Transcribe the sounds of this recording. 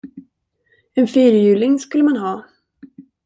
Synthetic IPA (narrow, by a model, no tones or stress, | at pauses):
ɛnfiːɾjʉ̟ːlɪŋskɵlːəmanɦɑː